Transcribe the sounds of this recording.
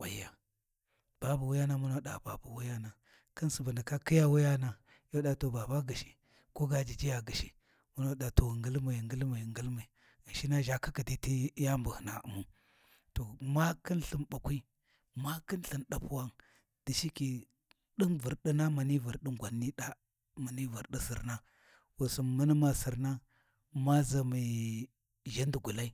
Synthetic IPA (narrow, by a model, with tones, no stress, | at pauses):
wʷa˨jːa˨ | b̥a˦bu˨wu˦ja˦na˦mu˦na˦ɗa̰˨ba˨bu˨wu˦ja˦na˨ | kə˦nsu˨bə˨na˨ka˦ki˦ja˦wu˦ja˦na˨ | jo˦ɗa˨to˨ba˨ba˦ɡə˨ʃi˨ | ko˦ɡa˨d͡ʒi˨d͡ʒi˦ja˨ɡə˨ʃi˨ | mu˦na˦ɗa˨to˨ŋɡə˦lma˨ŋɡə˦lma˨ŋɡə˦lma˨i˨ | ɡa˨ʃi˦na˦ʒa˨ka˦ki˨di˦ti˦ja˦mbu˨hna̰˨ṵ˨mu˨ | to˨ma˦kə˦nɬə˨mba˨kʷi˦ | ma˦kə˦nɬə˨nɗa˨pu˦wa˦ŋ | d̥i˨ʃi˦ki˨ | ɗi˦nvu˨ɾɗi˦na˦ma˨ni˦və˨ɾɗi˦ŋɡʷa˨nːi˦ɗa˦ | ma˨ni˦və˨ɾɗi˦sə̰˨ɾna˦ | wu˨su˨nmə˦n˦ma˨si˨ɾna˦ | ma˦za˨mi˨ | ʒa˦n˦di˨ɡu˨la˦i˦